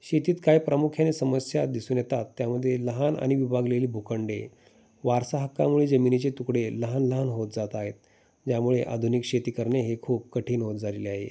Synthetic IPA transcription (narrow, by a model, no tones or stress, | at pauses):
ɕet̪iːt̪kajpɾəmukʰjanesəməsjad̪isuːnjet̪at̪ːjaməd̪ʱːjeləɦana̰ɽ̃iʋibʱaɡleliːbʱukəɳɖe | ʋaɾsaɦəkːamuɭed͡zəminit͡ɕet̪ukɽeləɦanləɦanɦot̪̚d͡zat̪aɦet̪̚ | d͡ʑjamuɭeʔa̰d̪ʱunikɕet̪iːkəɾɳjeɦekʰuːb̚kəʈʰiːnɦot̪̚d͡zaleleaɦḛ